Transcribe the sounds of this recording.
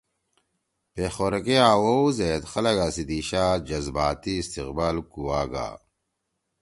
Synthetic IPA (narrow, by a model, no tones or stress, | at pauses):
peːxoːɾɐkejaːwowzeːt̪xɐlɐɡasid̪iːɕaːd͡ʑɐzbaːt̪iːst̪iqbaːlkuwaːɡa̰ː